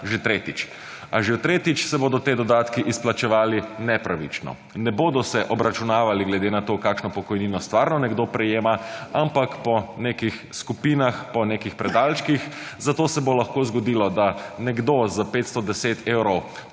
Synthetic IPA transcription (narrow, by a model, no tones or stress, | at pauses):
ʒet̪ɾet̪it͡ʃ | a̰ʒet̪ɾeːt̪it͡ʃsɛboːd̪ɔt̪eːd̪ɔd̪aːt̪kiʔisplat͡ʃɛʋaːlinɛpɾaʋḭt͡ʃnɔ̰ | nɛboːd̪ɔsɛʔɔbɾat͡ʃunaːʋaliɡlɛd̪enat̪oːkaːkʃnɔpɔkɔjniːnɔst̪ʋaːɾnɔnɛɡd̪opɾɛjeːmaampakpɔneːkixskupiːnaxpɔneːkixpɾɛd̪aːlʃkixzat̪oːsɛbolaxkoːzɡɔd̪ilɔd̪anɛɡd̪ozapet̪st̪ɔd̪ɛseːt̪eːwɾɔw